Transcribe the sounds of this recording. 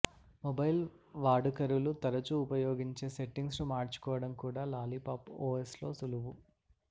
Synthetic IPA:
mobɐjl | ʋaːɽukɐɾulut̪ɐɾɐt͡ʃuːpɐjoːɡiɲt͡ʃe̞ːseʈːiŋɡsnumaːɾt͡ʃu̥kɔːʋɐɽɐmkuːɽaːlaːlipaːpoːeslo̞ːsuluʋu

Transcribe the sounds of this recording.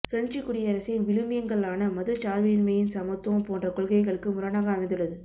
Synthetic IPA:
fɪɾɐɳt͡ʃɪkːʊɽɪjɐɐɾɐsɪnʋɪɭɯmɪjɐŋɡɐɭaːnɐmɐðɯt͡ʃaːɾʋinmɐjɪnsɐmɐt̪ːõpoːndrɐkɔɭɣɐɪɣɐɭɯkːɯmʊɾɐnaːɣɐɐmɐɪnd̪ɯɭːɐðɯ

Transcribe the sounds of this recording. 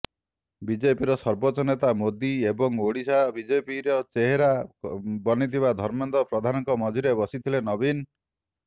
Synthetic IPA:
bid͡ʒepiɾɔsɔɾbɔt͡ʃɔnet̪amod̪iebɔŋoɽisabid͡ʒepiɾɔt͡ʃeɦeɾabɔnit̪ʰiβad̪ʱɔɾmend̪ɔpɾɔd̪ʱanɔŋkɔmɔd͡ʒʱiɾebɔsit̪ʰilenɔbin

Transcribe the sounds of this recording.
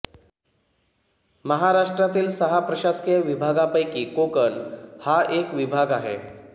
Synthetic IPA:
məɦaɾaʂʈɾat̪iːlsəɦapɾəɕaskeʋibʱaɡapəjkiːkokənhaʔekʋibʱaɡaɦḛ

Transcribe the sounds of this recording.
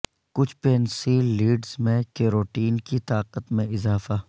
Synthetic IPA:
kʊt͡ʃʰpeːnsiːlːiːɖzmẽkeːɾoːʈiːnkit̪aːqət̪mẽɪzaːfaː

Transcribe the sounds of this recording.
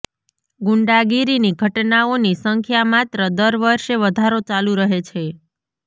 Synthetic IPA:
ɡuɳɖaɡiɾiniɡʱəʈnaonisəŋkʰjamat̪ɾəd̪əɾʋəɾʃeʋəd̪ʱaɾot͡ʃalũɾəɦet͡ʃʰe

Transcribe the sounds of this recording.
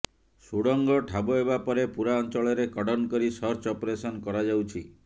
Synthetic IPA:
suɽɔŋɡɔʈʰaboebapɔɾepuɾaɔnt͡ʃɔɭɔɾekɔɽɔnɔkɔɾisɔɾt͡ʃɔpɔɾesɔnkɔɾad͡ʒawt͡ʃʰi

